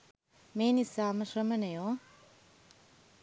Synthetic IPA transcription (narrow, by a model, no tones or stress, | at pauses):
meːnisaːmɐʃɾɐmɐnɐjo